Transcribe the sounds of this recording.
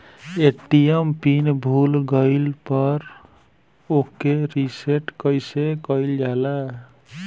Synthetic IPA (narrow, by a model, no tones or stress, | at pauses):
eʈijempinbʱulɡəɪlpəɾ | okeɾiseʈkəjsekəild͡ʒala